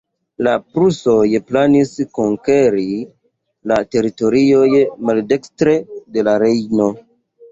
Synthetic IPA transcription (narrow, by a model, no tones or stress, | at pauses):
lapɾuso̞jplaniskoŋkeɾi | late̞ɾito̞ɾiojmalde̞kstɾe̞de̞laɾe̞jno̞